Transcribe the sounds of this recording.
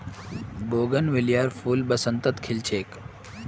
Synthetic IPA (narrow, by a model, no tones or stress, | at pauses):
boːɡənʋɪljaːɾfuːlbəsənt̪ət̪kʰɪlt͡ʃʰeːk